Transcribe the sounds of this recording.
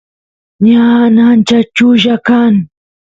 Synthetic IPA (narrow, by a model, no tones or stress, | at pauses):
ɲanant͡ʃat͡ʃʊʒakaŋ